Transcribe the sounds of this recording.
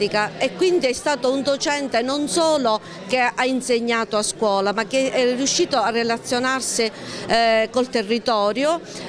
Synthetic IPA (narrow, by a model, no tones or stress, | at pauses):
ikaekːwind̪iɛst̪aːt̪ound̪ot͡ʃɛnt̪enonsɔːlo | keainseɲːaːt̪oaskwɔːlamak̟ːeɛrjuʃːiːt̪oarːelat̪sːjonarsɪ | kolt̪erːit̪ɔːɾjo